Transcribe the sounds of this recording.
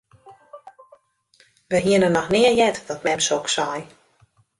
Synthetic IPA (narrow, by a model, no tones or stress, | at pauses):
ʋəɦiənənɔxnɪərjɛtdɔt̚mɛmsoksɔj